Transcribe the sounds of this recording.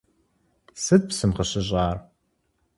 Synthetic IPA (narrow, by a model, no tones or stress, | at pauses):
sɨd̪̚psɨmʁəɕɪʑʼaːr